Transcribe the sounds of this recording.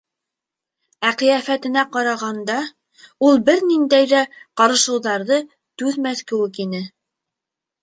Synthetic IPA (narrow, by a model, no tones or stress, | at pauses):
æqɤ̆jæfæt̪ɘ̆næqɑɾɑʁɑnd̪ɑ | ulˠbɘɾnind̪æjðæqɑɾɤ̆ʃɤ̆wðɑɾðɤ | t̪ʉðmæθkɘ̆wɘkinɘ